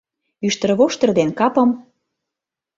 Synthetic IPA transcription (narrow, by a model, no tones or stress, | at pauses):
yʃt̪ə̆rβoʃt̪ə̆rd̪enkɑpɤ̆m